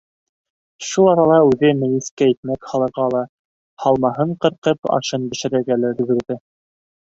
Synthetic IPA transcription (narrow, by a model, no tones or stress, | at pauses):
ʃulˠɑɾɑlˠɑʉðɘmɘ̆jɘ̆skæjɘ̆t̪̚mækhɑlˠɤ̆ɾʁɑlˠɑ | hɑlˠmɑɦɤɴqɤ̆ɾqɤpɑ̰ʃɤnbɘ̆ʃɘ̆ɾɘ̆ɾɡælæɾɘ̆ɡɘ̆ɾðɘ